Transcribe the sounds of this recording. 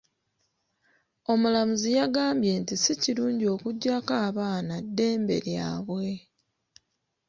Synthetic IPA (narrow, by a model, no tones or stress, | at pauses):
o̞mulamuzijaɡaːmbje̞ntisiciɾuːɲɟio̞ːkuɟːakaːβaːnadːe̞ːmbe̞̰ɾja̰ːβwe̞